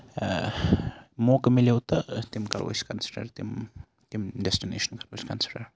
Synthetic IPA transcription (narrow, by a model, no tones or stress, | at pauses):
moːkmilewt̪ɐt̪imkɐɾʋo̰jskɐnsə̥ʈɐ̰ɾt̪im | t̪imɖɛsʈinḛːʃənkɐɾoskɐnsə̥ʈɐɾ